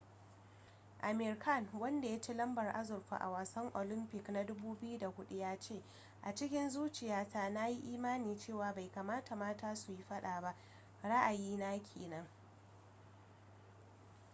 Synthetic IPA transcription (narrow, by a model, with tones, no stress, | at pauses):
ʔa˨mɪ˨ɾka˦˨nwɐ˦nda˨ja˦t͡ʃi˦lɐ˦mbɐ˨rʔa̰˦zʊ˨rɸa̰˨ʔa̰˨waː˨sɐ˦ŋʔo̰ː˨lɪ˦mpɪ˨kna˦dʊ˦buː˦bɪ˦ju˦da˨hʊ˦ɗu˦jaː˦t͡ʃeː˦˨ | ʔa˨t͡ʃɪ˦kʲɪ˦nzuː˦t͡ʃɪ˨jaː˦taː˦˨na˦ji˦ʔiː˦maː˦niː˨t͡ʃeː˦˨waː˨ba˨jka˨maː˦ta˨maː˦taː˦su˨ji˦ɸɐ˦ɗaː˨ba˦ʔ | ɽa˦ʔa˨jiː˦naː˦kʲʰḛː˨nɐ˦ŋ